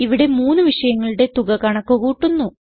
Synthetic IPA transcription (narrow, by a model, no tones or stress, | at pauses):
iʋiɽe̞muːnːuʋiʂɐjɐŋːɐɭuɽe̞t̪uɣɐkɐɳɐkːokuːʈːunːu